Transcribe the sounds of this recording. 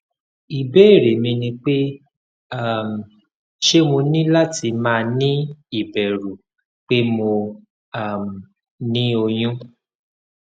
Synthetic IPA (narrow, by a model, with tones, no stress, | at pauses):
i˨be˦˨ɾe˨mĩ˧nĩ˧k͡pe˦ | a˦˨m˨ | ʃe˦mo˧nĩ˦la˦ti˧mãː˦˧nĩ˦i˦˨bɛ˨ɾu˨ | k͡pe˦mo˧ | a˦˨m̩˨ | nĩ˦o˧j̃ũ˦